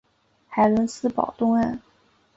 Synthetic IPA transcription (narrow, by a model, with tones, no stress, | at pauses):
xa˨˩ɪlə˧˥nsɹ̩˥˩pɑ̰˨˩ʊt̪ʊ˥ŋə˥˩n